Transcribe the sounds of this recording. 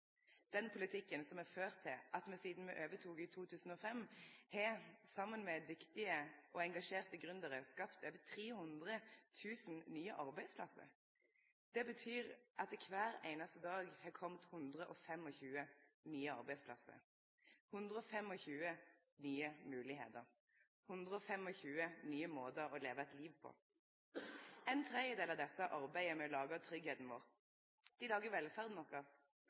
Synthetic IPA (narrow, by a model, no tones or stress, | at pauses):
d̪̥ɛnpʰʊlɪt̪ʰɪkːənsɔmæføːʁt̪ʰːɪlʔɑt̪mɛsiːd̪n̩mɛ̰ʔøːʋət̪ʰuːɡɪt̪ʰuːt̪ʰʉːsn̩ɔfɛmhɛsɑmːənmɛd̪ʏkt̪ɪəʔɔɛŋɡɑʃeːʁt̪əɡʁʉnd̪əʁəskɑpt̪ʰøːʋət̪ʰʁeːhʉnd̪ʁət̪ʰʉːsn̩nyːəʔɑʁbæɪspʰlɑ̰sə̰ɾ | d̪̥ɛbət̪ʰyːʁʔɑt̪ɪkʰʋæːɾḛɪnɑst̪əd̪ɑːɡhɑːkʰɔmt̪hʉnd̪ʁəʔɔfɛmɔçʉːənyːəɑ̰ʁbæɪspʰlɑ̰sə̰ʁ | hʉnd̪ʁəɔfɛmɔçʉːə | nyːəmʉːlɪɦḛːt̪əʁ | hʉnd̪ʁəɔfɛmɔçʉːənyːəmoːt̪əɾɔleːʋəɛt̪liːʋpʰɔ̰ | ɛɪnt̪ʰʁɛd̪jəd̪eːlɑʋd̪ɛsəʔɑʁbæɪəmɛlɑːɡɑt̪ʰʁʏɡheːt̪n̩ʋoːʁ | d̪̥ɪlɑːɡəʋɛlfæʁd̪nɔʁkɑs